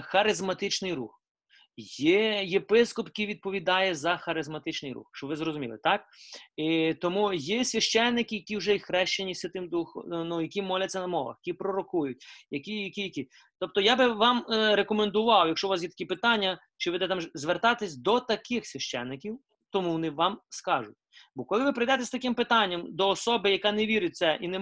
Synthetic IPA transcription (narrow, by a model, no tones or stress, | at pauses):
xɐɾɪzmɐt̪ɪt͡ʃnɪjɾṵx | jɛjepɪskɔpjɐkʲijʋʲid̪̚pɔʋʲid̪ɑjɛzɐxɐɾɪzmɐt̪ɪt͡ʃnɪjɾṵxʃt͡ʃɔʋɪzɾɔzʊmʲḭlˠɪ̰t̪ɑkit̪ɔmujɛsʲʋʲɐʃt͡ʃɛnːɪkɪjɐkʲiwʒɛixɾɛʃt͡ʃenʲiwsʲʋʲɐt̪ɪmd̪uxɔ̰nujɐkʲimɔlʲɐtʲt͡sʲːɐnɐmɔʋɐ̰xjɐkʲipɾɔɾɔkujʊt̚ʲjɐkʲijɐkʲijɐkʲi | t̪ɔp̚t̪ɔjabɪʋɑmɾekɔmend̪ʊʋɑwjɐkʃɔʋɑs̬jɛt̪ɐkipɪt̪ɑnʲːɐ | t͡ʃɪʋɪd̪ɛt̪ɑmzʋert̪ɑt̪ɪsʲd̪ɔt̪ɐkɪxsʲʋʲiʃt͡ʃɛ̰nːɪkʲiw | t̪ɔmuʋɔnɪʋɑmskɑʒʊtʲbɔkɔlˠɪʋɪpeɾɪjd̪ɛt̪ɛst̪ɐkɪmpɪt̪ɑnʲːɐmd̪ɔːsɔbɪjɐkɑneʋʲiɾɪt̚ʲt̪sɛʔinɛ